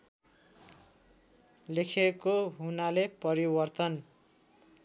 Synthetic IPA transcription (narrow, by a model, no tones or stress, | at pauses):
lekʰekoɦunalepʌɾibʌrt̪ʌn